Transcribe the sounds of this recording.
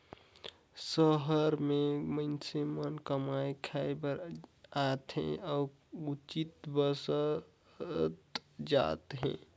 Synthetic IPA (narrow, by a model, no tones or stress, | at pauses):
səɦəɾmẽməɪnsemənkəmajkʰajbəɾat̪ɦɛ̰̃ɔː | ut͡ʃit̪bəsə | t̪d͡ʒa̰t̪ɦɛ̰̃